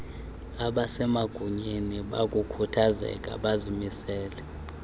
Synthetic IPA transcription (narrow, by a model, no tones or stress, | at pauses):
aɓasɛmaɡ̥ʱuɲeniɓak̬ʼukʰutʰazɛ̰k̬ʼa̰ɓazimisɛːlɛ